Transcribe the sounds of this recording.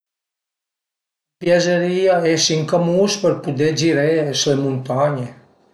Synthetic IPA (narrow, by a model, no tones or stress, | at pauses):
pjazeɾiaesiŋkamuspəɾpud̪ed͡ʒiɾeslemunt̪aɲe